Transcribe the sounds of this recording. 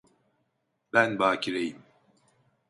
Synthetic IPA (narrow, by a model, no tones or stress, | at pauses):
bænbaːcʰiɾejim